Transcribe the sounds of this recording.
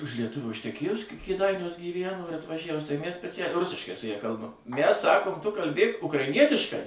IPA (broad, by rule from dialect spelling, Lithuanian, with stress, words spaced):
ʊʃ lʲiɛˈtʊʋʲoː ɪʃʲtʲɛˈkʲeːjʊs kʲɛ kʲeːˈdɐɪnʲuɔs ɡʲiːˈʋʲænoː ɪr ɐtʋɐˈʒʲæʋʊs tɐɪ mʲæs sʲpʲɛˈt͡sʲælʲɛɪ ˈrʊsʲɪʃkɐɪ sʊ ˈjɛ ˈkɐlˠbɐm mʲæs ˈsɑːkoːm tʊ kɐlʲˈbʲeːk ʊkrɐɪˈnʲiɛtʲɪʃkɐɪ